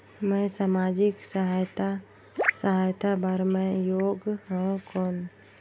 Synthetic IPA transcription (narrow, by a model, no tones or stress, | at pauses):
mə̃samad͡ʒɪksəɦajt̪a | səɦajt̪ʰabəɾmẽjoːɡɦə̃kon